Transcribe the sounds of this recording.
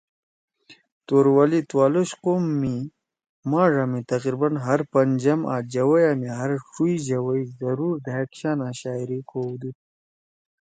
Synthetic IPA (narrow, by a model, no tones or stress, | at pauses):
t̪oɾwalit̪waːloɕqomːi | maːʐamit̪ɐqɾibɐnɦɐɾpɐnd͡ʑɐma̰d͡ʑɐwɐjamiɦɐɾʂuiʑɐwɐjzɐɾuɾd̪aɦekɕaːnaːɕaːiɾikʰowd̪ut̪̚